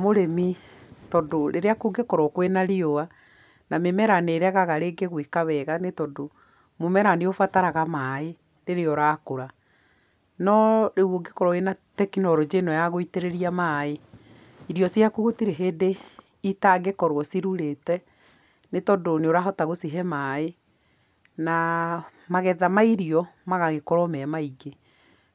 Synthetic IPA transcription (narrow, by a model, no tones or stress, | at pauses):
moɾemitɔdoɾeɾeakoɡekɔɾwɔkwenaɾioa | namemɛɾaneɾeaɣaɣaɾeɡeɣwekaβɛɣanetɔdo | momɛɾaneofataɾaɣamaːe | ɾeɾeɔɾakoɾa | nɔɾewoɡekɔɾɔenatɛkinɔɾod͡ʒenɔjaɣoiteɾeɾiamae | iɾiɔsjakuɣotiɾeɦeːde | itaɡekɔɾwɔsiɾuɾetɛ | netɔdoneoɾaɦɔtaɣosiɦɛmaːe | na | maɣɛðamaiɾiɔmaɣaɣekɔɾɔmɛmaiɡe